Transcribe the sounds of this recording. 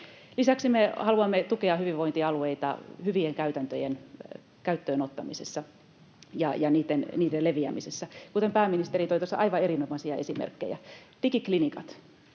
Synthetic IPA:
lisæksimehɑluɑmːet̪ukeɑhyʋiʋoint̪iɑlueit̪ɑ̰hyʋieŋkæyt̪ænt̪øjen | kæyt̪ːøenot̪ːɑmisesːɑ | jɑjɑniːt̪ːenniːdeleʋiæ̰misesːækut̪empæːmːinist̪erit̪oit̪osːɑ̰ʔɑiʋɑerinomɑsiɑesimḛrkːḛjæ̰t̪ikiklinikɑt̪

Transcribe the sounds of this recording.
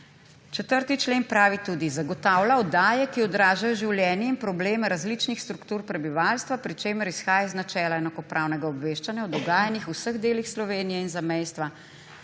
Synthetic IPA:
t͡ʃɛt̪əɾt̪it͡ʃleːnpɾaːʋit̪uːd̪izaɡɔt̪awlaɔd̪aːjɛkiɔd̪ɾaːʒajɔʒiwljɛːnjɛinpɾɔbleːmɛɾazlit͡ʃnixst̪ɾukt̪uːɾpɾɛbiʋalst̪ʋapɾit͡ʃeːməɾisxaːjaiznat͡ʃɛːlaɛnakɔpɾʔaːwnɛɡaɔbʋeːʃt͡ʃanjaɔd̪ɔɡaːjanixusəɣd̪eːlixslɔʋeːnijɛinzamɛjst̪ʋa

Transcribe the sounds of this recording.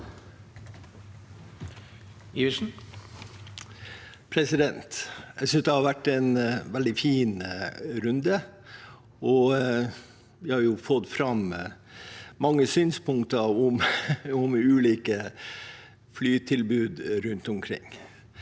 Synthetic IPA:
iəʂn̩ | pʰɾɛsɪd̪ɛnt̪æɪsʏnsd̪ɛhɑɾʋæʈːɛnʋɛld̪ɪfiːnɾʉnd̪ə | ɔ | ʋɪhɑɾjʊfɔt̪ːfɾɑm | mɑŋːəsyːnspʊŋkt̪əɾʊmʊmʉːliːkə | flyːt̪ʰɪlbʉːd̪ɾʉnt̪ɔmkʰɾɪ̰ŋː

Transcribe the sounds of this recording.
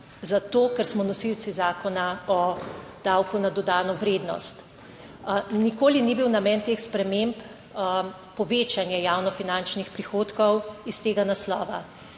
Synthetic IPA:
zat̪oːkɛɾsmɔnɔsiw̪t͡s̪izaːkɔnaɔd̪̥awkunad̪ɔd̪aːnɔʋɾeːd̪nɔ̰st̪ | nikoːlinibiwnamɛːnt̪eːxspɾɛmemp | pɔʋeːt͡ʃanjɛjawnɔfinant͡ʃnixpɾixoːt̪kɔwist̪eːɡanaslɔːʋa

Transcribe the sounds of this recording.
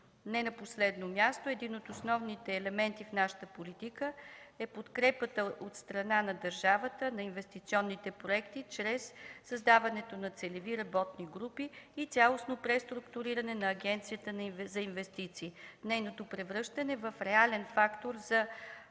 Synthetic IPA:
nɛnɐposlɛd̪nomʲjast̪oɛd̪inot̪osnɔvnit̪ɛːlɛmɛnt̪ifnaʃə̥t̪əpolit̪ikəɛpot̪kɾɛpət̪əʔot̪st̪ɾɐnanɐd̪əɾʒavət̪ənɐinvɛst̪it̪siɔnːit̪ɛpɾoɛkt̪it͡ʃɾɛsːɐzd̪avɐnɛt̪onɐt̪sɛlɛviɾɐbɔt̪niɡɾupiːt̪sʲjalˠosnopɾɛst̪ɾukt̪uɾiɾənɛnɐːɡʲɛnt̪sijət̪ənɐivzɐinvɛst̪it̪siːnɛjnot̪opɾɛvɾɤʃt̪ənɛvəfɾɛalɛnfakt̪oɾzɐ

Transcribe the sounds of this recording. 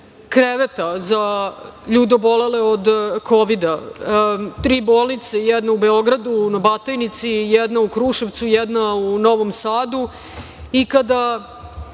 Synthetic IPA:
kɾeʋet̪azaʎuːd̪obo̞leleod̪kʰoʋid̪a | t̪ɾiːboːlˠnit̪sejɛd̪naubeo̞ɡɾad̪unabat̪ajnit̪sijɛd̪naukɾuːʃeʋt̪sujɛd̪nauno̞ʋo̞msaːd̪u | ikad̪a

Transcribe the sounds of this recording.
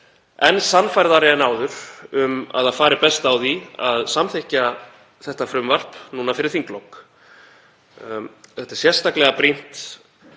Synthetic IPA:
ɛnsanːfajɾðaɾɛɛnaːwðʏɾ̥ʏma̰ðaðfaːɾɪpɛst̪awðiaðsamθehca | θɛht̪afɾʏmvar̥pnuːnafɪɾɪɾθiŋklowk | θɛht̪aɾ̥sjɛr̥st̪aklɛɣapɾin̥t̪

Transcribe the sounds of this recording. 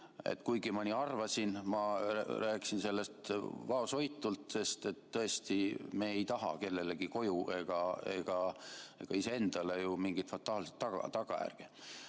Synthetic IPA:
ḛt̪ːkujɡimɑnʲiːɑrvɑsinmɑræːkisinse̞lːe̞st̪vɑoso̞jt̪ːˑult̪se̞st̪e̞t̪ːɤ̞est̪ime̞ːejt̪ɑɦɑ̰ke̞lːeleɡiko̞jue̞ɡ̥ɑe̞̰ɡ̥ɑe̞ɡ̥ɑise̞e̞nd̪̥ɑle̞jumiŋɡ̥it̪fɑt̪ːˑɑːlset̪ːɑɡɑ̰t̪ɑɡ̥ɑjæ̰rɡ̥i

